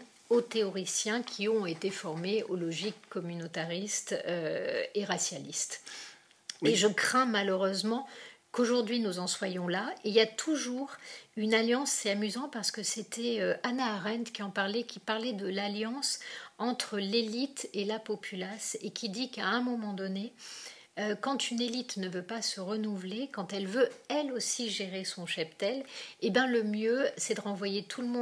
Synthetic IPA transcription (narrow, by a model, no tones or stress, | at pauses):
ot̪eɔʁisjɛ̃kʲʰiɔ̃et̪efɔʁmeolɔʒikːɔmynot̪aʁist̪øeʁasjalist̪ | eʒəkχɛ̃maləʁøzmɑ̃koʒuʁd̪ɥinuzɑ̃swajɔ̃laeljat̪ʰuʒuʁynaljɑ̃sːɛamyzɑ̃paʁsə̥kəset̪ʰɛøʔanaːʁɛ̃nt̪kʲiɑ̃paʁlɛkʲʰipaʁlɛd̪əlaljɑ̃sɑ̃t̪χəlelit̪elapɔpʰylasekʲid̪ikaɛ̃mɔmɑ̃d̪ɔne | økɑ̃t̪ynelit̪nəvøpasəʁənuvlekɑ̃t̪ɛlvøɛlosiʒeʁesɔ̃ʃapt̪ɛlebjɛ̃ləmjøsɛd̪əʁɑ̃vwajet̪ʰulmɔ̃